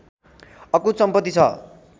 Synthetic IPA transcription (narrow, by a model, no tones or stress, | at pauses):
ʌkusʌmpʌt̪ːit͡sʰʌ̰